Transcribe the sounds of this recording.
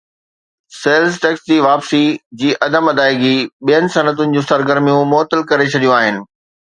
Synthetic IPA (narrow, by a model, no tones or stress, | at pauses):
seːlzʈɛːksd͡ʑiːʋaːpsid͡ʑiːʔɐd̪əmɐd̪aːɪɡiɓijənɪ̆sɐnət̪ʊnɪ̆d͡ʑũːsɐɾɡəɾmijũmɔːt̪əlkɐɾet͡ɕʰɐɗijũaːɦɪnɪ̆